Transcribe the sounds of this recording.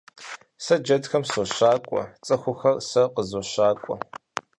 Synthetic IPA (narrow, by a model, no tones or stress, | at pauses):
sɐd͡ʒɐdxɐmsoɕaːkʷʼɔ̰t͡sʼɨxʷʊxɐrsɐqəzoɕaːkʷʼɔ̰